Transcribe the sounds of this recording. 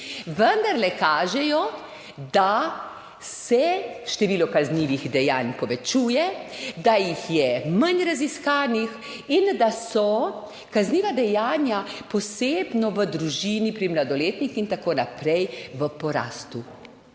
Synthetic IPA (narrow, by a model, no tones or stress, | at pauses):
ʋənd̪aɾlɛkaːʒɛjɔ | d̪a | sɛʃt̪ɛʋiːlɔkazniːʋixd̪ɛjaːnpɔʋɛt͡ʃuːjɛd̪ajixjɛmanɾaziskaːnix | ind̪asɔ | kazniːʋad̪ɛjaːnjapɔseːbnɔʋəd̪ɾuʒiːnipɾimlad̪ɔleːt̪nixint̪akoːnapɾɛjʋəpɔɾa̰ːst̪u